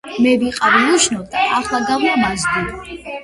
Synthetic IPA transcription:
mɛviqʼaɾiuʃnɔd̪aʔaχlˠaɡavnamazd̪i

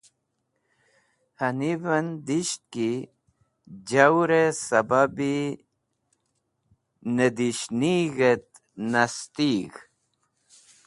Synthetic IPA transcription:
hɐnibɐnd̪iɕt̪̚ki | d͡ʑawɾesɐbabi | ned̪iɕniɣet̪̚ | nast̪iɣ

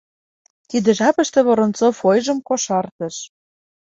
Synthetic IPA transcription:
t̪id̪ə̆ʒɑpə̆ʃt̪ĕβoɾŏnt͡sofojʒə̆mkoʃɑrt̪ɤ̆ʃ

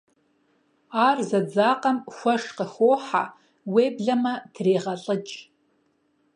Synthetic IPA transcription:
aːrzɐd͡zaːqʼɐmxʷɐʂqəxoːħa̰ | weːbɮɐmɐdreːʁɐɬʼɨt͡ʃʼ

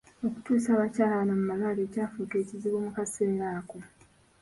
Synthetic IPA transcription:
o̞ku̥tuːsaːβacaːlaβanamumalaleːcaːfukeːciziβoːmukaseːɾaːko

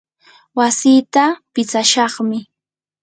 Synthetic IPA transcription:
wasiːt̪apɪt͡saʃɑχmɪ

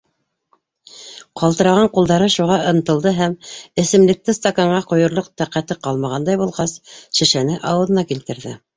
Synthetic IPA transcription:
qʰɑlˠt̪ɤ̆ɾɑʁɑɴqulˠd̪ɑɾɤʃuʁɑʔɤ̆nɤ̆t̪ɤ̆lˠd̪ɤɦæmɘ̆sɘ̆mlɘ̆k̚t̪ɘst̪ɐkoɴɢɑqŏjɤ̆ɾlˠoq̚t̪æqæt̪ɘqɑlˠmɑʁɑnd̪ɑjbulˠʁɑsʃɘ̆ʃænɘʔɑwɤ̆ðɤ̆nɑkilt̪ɘ̆ɾðɘ

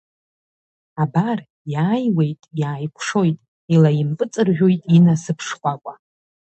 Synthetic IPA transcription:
abar | jaːjwe̞jtʼjaːjkʷʰʂo̞jtʼ | ilajimpʼɨt͡sʼɨrʒᶣo̞jtʼinasɨpʰʂχʷakʷʼa

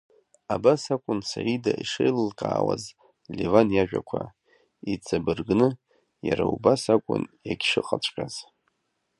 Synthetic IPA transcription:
abasakʷʼʊnsaidaʔiʂejlɨlkʼaːwaz | levanjaʒᶣa̰kʷʰa | it͡sʰʼabɨrɡnɨ | jaɾaubasakʷʼʊ̰njaɡʲʂɨqʼat͡ʃʷʰʼqʲʼaz̥

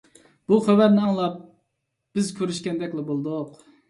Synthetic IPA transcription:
b̥uχæwæɾnɪɑŋlˠɑp̚ | b̥ɪzkʲʰøɾyʃkʲɛnd̪ɛkʲlɛbolˠd̪ʊq

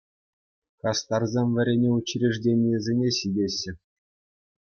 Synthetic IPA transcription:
kɑst̪ɑrzʲemʲʋʲɘ̆ɾʲenʲeut͡ɕrʲeʐdʲenʲijɘ̆zʲenʲeɕidʲeɕːɘ̆

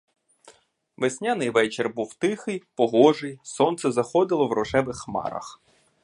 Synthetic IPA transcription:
ʋesʲnʲanɪjʋɛt͡ʃerbuwt̪ɪxɪjpɔɦɔʒɪjsɔnt̪sɛzɐxɔd̪ɪlˠɔwrɔʒɛʋɪxːmɑ̰ɾɐ̰x

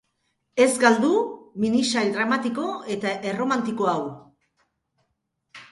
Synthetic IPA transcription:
e̞zɡald̪uminisajd̪ɾamat̪iko̞e̞t̪aʔe̞ro̞mant̪iko̞aw

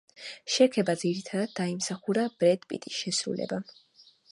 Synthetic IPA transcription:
ʃɛkʰɛbad̪ziɾit̪ʰad̪ad̪̚ːaimsaχuɾab̥ɾɛd̪pʼḭt̪ʼisʃɛsɾṵlɛ̰ba

